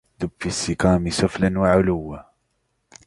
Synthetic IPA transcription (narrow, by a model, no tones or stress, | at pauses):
d̪ʊbfisːɪkaːmisʊflanwaʕʊlʊwːa